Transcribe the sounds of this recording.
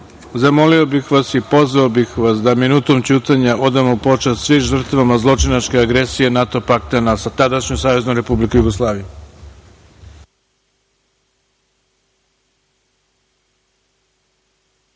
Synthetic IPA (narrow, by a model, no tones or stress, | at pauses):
zamo̞lio̞bixʋasipo̞zʋaobixʋasd̪aminuːt̪o̞mt͡ɕuːt̪aɲaʔo̞d̪amopo̞t͡ʃast̪sʋimʒr̩t̪ʋamazlˠo̞t͡ʃinat͡ʃke̞aɡɾesije̞nat̪o̞pakt̪anasat̪ad̪aʃɲusaːʋe̞znomɾe̞publikujuɡo̞slˠaːʋiju